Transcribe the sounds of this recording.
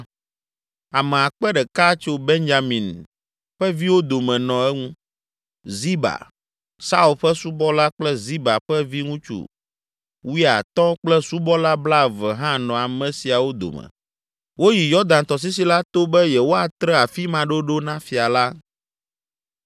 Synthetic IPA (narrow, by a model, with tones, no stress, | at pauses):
a˨mɛ˨a˨k͡pɛ˦ɖɛ˨ka˦t͡ʃo˦be˦nd͡ʒa˨mĩ˨n | ɸɛ˦vi˦wo˦d̪o˨mɛ̃˨nɔ̃˨ɛ˦ŋũ˦ | zi˦ba̰˨ | sa˦u˨lɸɛ˦su˦bɔ˦la˦k͡plɛ˦zi˦ba˨ɸɛ˦vi˦ŋũ˦t͡ʃṵ˨ | wu˦a̰˨t̪ɔ̃˦k͡plɛ˦su˦bɔ˦la˦bla˦vɛ˨ɦã˦nɔ̃˨a˨mɛ̃˨si˨a˨wo˦d̪o̰˨mɛ̰˨ | wo˦ji˨jɔ˦d̪ã˨nt̪ɔ˨s̬i˦s̬i˦la˦t̪o˦bɛ˦jɛ˨wo˦a˨t̪ɾɛ˦a˨fi˦mã˨ɖo˦ɖo˦nã˦fi˨a˨la˦